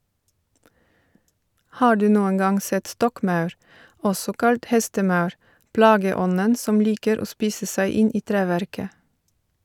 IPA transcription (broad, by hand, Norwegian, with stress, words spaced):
ˈhɑː ˈɖʉː ˈnuːəŋ ˈɡɑŋ ˈsɛt ˈstɔkˌmɑʉɾ ˈʔɔsɔ ˈkɑlt ˈhɛstəˌmɑʉɹ ˈplɑːɡəˌɔnən ˈsɔm ˈliːkəɾ ˈoː ˈspiːsə ˈsæɪ ˈɪn ˈiː ˈtɾæːʋæɾkə